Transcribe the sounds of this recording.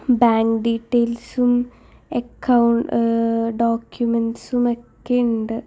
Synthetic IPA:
baːŋkɖiːʈːejlsum | ekːɐwɳ | ɖoːkjumensumokːeuɳɖɨ

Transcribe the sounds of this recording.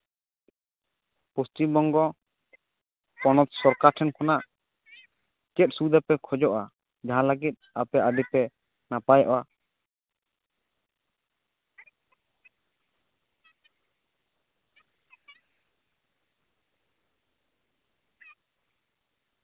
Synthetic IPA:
pustibɔŋɡɔ | pɔnɔt̪̚sɔɾkaʈʰɛnkʰɔnaʔ | kɛt̪̚sud̪apɛkʰɔd͡ʒɔʔa | d͡ʒaɦãləɡit̪̚ˀapɛʔad̪ipɛ | napajɔʔɔʔa

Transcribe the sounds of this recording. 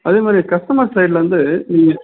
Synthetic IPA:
ɐðeːmaːd̪ɾikɐsʈɐmaːsɐɪɖlʋɐnd̪ɯniːŋɡɐ

